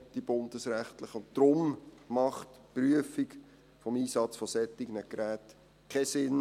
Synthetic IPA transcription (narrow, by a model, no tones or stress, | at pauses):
d̥ib̥ʊndəsɾæχtləχəʊntdɾʊmmɑχtpryəfik | fɔmiːsɑt͡sfɔsɛt̪iɡənəkɾæːt | kʰɛsɪn